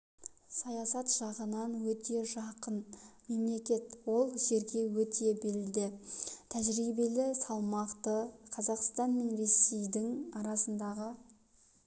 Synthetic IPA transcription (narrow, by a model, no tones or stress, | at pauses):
sɑjɑsɑt̪ʒ̥ɑʁənɑnwɵt̪ʰe̞ʒɑqənme̞mle̞kʲe̞t̪wo̞lˠʒe̞ɾɡʲe̞wɵt̪ʰe̞be̞lɪd̪ɪt̪ʰæʒɾibe̞lɪsɑlˠmɑqt̪əqʰɑzɑqst̪ɑnme̞nɾe̞sejd̪ɪŋɑɾɑsənd̪ɑʁə